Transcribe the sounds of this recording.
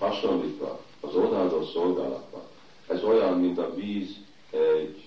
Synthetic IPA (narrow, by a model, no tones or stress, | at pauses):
hɒʃolliːt̪ʋɒ̰ː | zod̪aːzot̪so̞lɡaːlɒ̰t̪̚bɒ̰n | ɛzɒjaːnːiːnt̪ɒviːz | ɛɟ